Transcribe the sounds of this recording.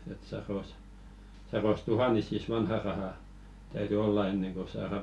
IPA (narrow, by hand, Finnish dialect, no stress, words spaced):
et sɑros sɑros tuhɑnisis ʋɑnhɑˑ rɑhɑˑ tæyty olːɑ enːeŋ ko sɑːrɑ